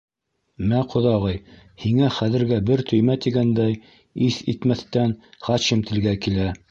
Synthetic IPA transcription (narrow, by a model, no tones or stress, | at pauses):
mæqʰŏðɑʁɤj | hiŋæχæðɘ̆ɾɡæbɘɾt̪ʰɵ̆jmæt̪iɡænd̪æj | iθit̪mæθt̪ænχɑɕɤmt̪ʰɘ̆lɡækilæ